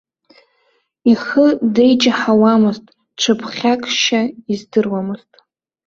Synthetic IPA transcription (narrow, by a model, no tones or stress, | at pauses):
iχədejt͡ʃʼaħawamɨztʼ | ʈ͡ʂʷʰɨpʰχʲakʼʃaizdɨrwamɨztʼ